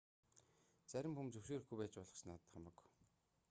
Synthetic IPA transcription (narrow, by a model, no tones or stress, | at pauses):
t͡sæɾʲɪ̆mxumt͡sɵwʃeːr̆xɡujpæːt͡ɕpɔɮʁɞ̆χsnat̪əχamə̆k